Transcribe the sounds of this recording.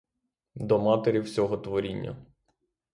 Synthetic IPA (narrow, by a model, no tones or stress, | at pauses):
d̪ɔmɑt̪eɾʲiwsʲɔɦɔt̪ʋɔɾʲinʲːɐ̰